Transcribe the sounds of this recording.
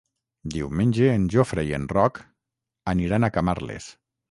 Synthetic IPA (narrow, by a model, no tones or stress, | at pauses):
d̪iwmenʲd͡ʒeːnʒofɾejenrɔk | aniɾanakama̰ɾlḛs